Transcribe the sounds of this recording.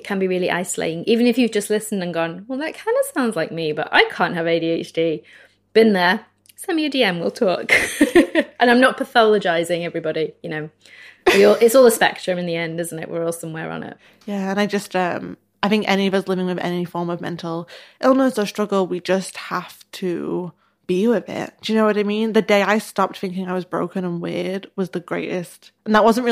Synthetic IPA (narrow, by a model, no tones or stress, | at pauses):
kʰə̃nbiɹɪːlˠiʔa̰ɪslḛɪɪ̃ŋʔivɨ̃nɨfjɨvd͡ʒʌstˡlɪsn̩də̃nɡɒ̃nwɛlˠðəʔ̚kʰãɪ̃ndəv̥sãʊ̃ndzlaɪk̚mibʌ̰ʔa̰ɪkʰɑ̃ˑnʔ̚ɦəveɪɾieɪt͡ʃd̥i | b̥ɪ̃nðə˞ | sɛ̃mjɨdiɛ̃mwilˠtʰɔk | ʔə̃ñãɪ̃mnət̚pʰəθɑləd͡ʒaɪzɪ̃ŋɛvɹibɑɾijɨñoʊ | wiɔlˠʔɪtsɔːlˠðəspɛ̰k̚tɹ̥ɨ̃mɨ̃nðiɛ̃ndɪzn̩tɪ̰ʔwɪ̰ɹɔlˠsʌ̃mwɛɹə̰̃nɪ̰t̚ | jæə̃naɪd͡ʒʌstʌ̃m | aɪθɪ̃ŋkɛ̰ñiʌvʌslɪvɪ̃ŋwɨðɛ̰nifɔɹmʌvmɛ̰̃ntʰˡl̩ˠʔɪlˠnəsəstɹ̥ʌɡl̩ˠwid͡ʒʌst̚haftʰɨ̰ | b̥iwɪðɪ̰t̚jɨnoʊwʌɾaɪmĩnðɨdeɪaɪstɑp̚t̪̚θɪ̃ŋkɪ̃ŋaɪwʌzbɹo̰ʊkɨ̃nə̃nwɪɹd̚wʌzðɨɡɹeɪɾɪstə̃n̩ðəʔ̚wʌzə̃nʔɹɪ